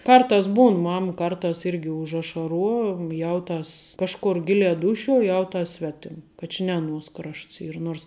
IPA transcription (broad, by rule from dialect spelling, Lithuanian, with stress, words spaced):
ˈkɐrtɑːs ˈbuːn ˈmɐm ˈkɐrtɑːs ˈɪrʲɡʲɪ ʊʒɐʃɐˈruɔ ˈjɛʊˌtɐs ˈkɑːʃkʊr ˈɡʲɪlʲæː ˈduːʃʲuɔ ˈjɛʊˌtɐs ˈsʲʋʲæːtʲɪm ˈkɐ t͡ʃʲɪ nʲɛ ɐˈnuɔs ˈkrɐʃts ˈiːr ˈnuɔrs